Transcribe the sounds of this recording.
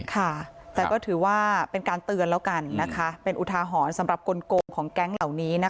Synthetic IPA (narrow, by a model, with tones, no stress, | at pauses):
kʰa˥˩t̪ɛː˨˩kɔː˥˩t̪ʰɯː˩˦waː˥˩pe˧nkaː˧nt̪ɯ˧ənlɛː˦˥wka˧nːa˦˥kʰa˦˥pe˧nʔu˨˩t̪ʰaː˧ɦɔː˩˦nsa˩˦mɾa˨˩p̚ko˧nkoː˧ŋkʰɔː˩˦ŋkɛ˦˥ŋla˨˩wniː˦˥na˦˥